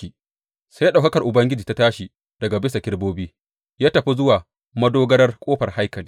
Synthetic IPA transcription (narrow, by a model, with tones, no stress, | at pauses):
i˨ | sa˦jaː˦ɗa˨kɐ˦kɐ˨rʔʊ˨bɐ˦ŋɡʲɪ˦d͡ʒiː˨ta˦taː˦ʃi˨ | d̥ɐ˨ɡa˨bɪ˦sa˨kʲɪ˦ɽboː˦biː˦ | jaː˦tɐ˨ɸi˦zʊ˦waː˨ | mɐ˦doː˦ɡɐ˦ɽɐ˦rkʷʼoː˦ɸɐ˨rha˦jkɐ˨liː˦